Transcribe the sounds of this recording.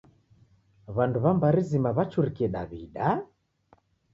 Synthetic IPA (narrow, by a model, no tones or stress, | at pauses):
βanduβambaɾizimaβat͡ʃuɾikiɛɗa̰βiɗa